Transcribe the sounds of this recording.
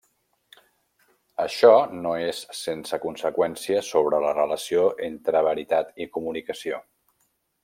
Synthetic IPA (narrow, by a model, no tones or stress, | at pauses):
əʃɔnoessensəkunsəkwɛnsiəsoβ̞ɾələrələsioʔent̪ɾəβəɾit̪at̪ikumunikəsio